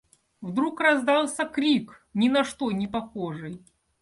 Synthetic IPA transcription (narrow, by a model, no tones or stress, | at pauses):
vd̪ɾukrɐzd̪ɑlˠsʲəkɾʲik | nʲɪnɐʂt̪onʲɪpɐxoʐɨj